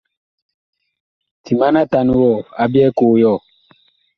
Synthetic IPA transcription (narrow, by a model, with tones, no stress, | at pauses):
ti˨ma˦na˦ta˨ni˦wɔ˦˨a˨˦bi˦ɛ˦koː˨jɔ˦˨